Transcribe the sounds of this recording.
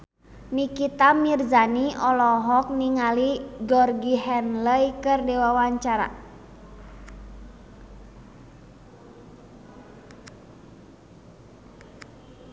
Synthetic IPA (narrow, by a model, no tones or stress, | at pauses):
nikit̪amirzaniʔɔlɔɦɔk̚niŋaliɡɔrɡiɦɛnləjkərdɛwawaɲt͡ʃaɾa̰